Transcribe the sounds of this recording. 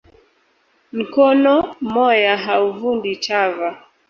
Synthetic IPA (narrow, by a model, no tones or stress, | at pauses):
m̩kɔnɔmɔjaɦauvunditava